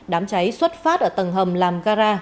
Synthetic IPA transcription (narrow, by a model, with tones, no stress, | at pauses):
ɗaː˧˩mt͡ɕa˨˦jswə˦˥t̚faː˦˥t̚ʔəː˧˩t̪ə˨˩nɦə˨˩mlaː˨˩mɣaː˧zaː˧